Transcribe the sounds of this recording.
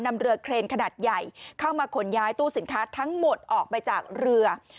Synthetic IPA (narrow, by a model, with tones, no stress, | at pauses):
na˧mɾɯ˧ɐkʰɾeː˧nkʰa˧naː˨˩t̪̚ja˨˩jkʰa˥˩wmaː˧kʰo˩˦njaː˦˥jt̪uː˥˩si˨˩˦nkʰaː˦˥t̪ʰa˦˥ŋmo˨˩t̪̚ʔɔː˨˩k̚pa˧jt͡ɕaː˨˩k̚ɾɯ˧ɐ